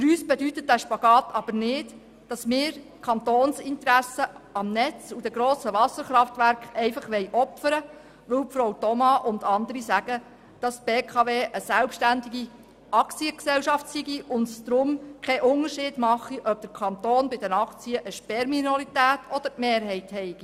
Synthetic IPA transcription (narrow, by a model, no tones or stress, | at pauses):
fyɾyːsb̥ɛdytət̚d̥æʃpɑɡ̥ɑːtʰɑb̥əɾnɪt | d̥ɑsmɪːɾ | kʰɑnt̪oːnsɪnt̪ɾæsəɑmnɛt͡sud̥ɛɡɾɔːsəʋɑsəɾχɾɑftʋæɾkχɛɪfɑχʋɛɪʔɔpfəɾə | ʋɵwpfɾowtɔmɑʔʊnd̪ɑnd̪əɾisæɡ̥ə | d̥ɑstb̥eːkʰɑʋeːʔəsælpʃtændiɡi | ɑkt͡siəksɛwʃɑftsiɡiʔʊndsd̪ɾʊmkʰɛʔʊnəɾʃɪːd̥mɑχiʔœb̚d̥̪əɾkʰɑnt̪oːnbɪdənɑχt͡siəʔəʃpɛɾminolitæːt̪ʰɔd̥̪əɾmeːɾɦɛɪthɛɪɡ̥i